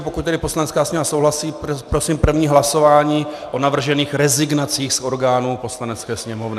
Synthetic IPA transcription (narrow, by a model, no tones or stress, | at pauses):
pokuc̪̚t̪ɛdɪpo̞slanɛt͡skaːsɲɛvasowɦlasiːpɾo̞siːmpr̩vɲiːɦlaso̞vaːɲiː | ʔo̞navr̩ʒɛniːxɾɛzɪɡnat͡siːxsʔo̞ɾɡaːnupo̞slanɛt͡skɛːsɲɛmo̞vnɪ